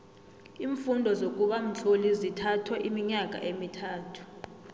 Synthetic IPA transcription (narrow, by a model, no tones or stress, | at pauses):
iːɱfundʱɔzok̬ʼuɓam̩t͡ɬʰʼolizitʰatʰwɛʔimiɲak̬ʼa̰ʔemitʰaːtʰu̥